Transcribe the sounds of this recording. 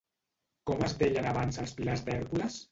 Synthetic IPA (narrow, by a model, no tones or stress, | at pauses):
kɔməzðeʎənaβansəlˠsplazd̪ɛɾɣuləs